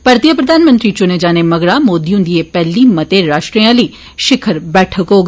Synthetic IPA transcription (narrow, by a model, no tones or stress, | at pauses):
pəɾt̪ijəpɾəd̪ʱaːnmə̃nt̪ɾiːt͡ʃʊneːd͡ʒaːneːməɡɽaːmoːd̪iːɦʊnd̪ieːpɛːliːmət̪eːɾaːʃʈɾiãːləiː | ʃɪkʰəɾbɛːʈʰəkɦoːɡ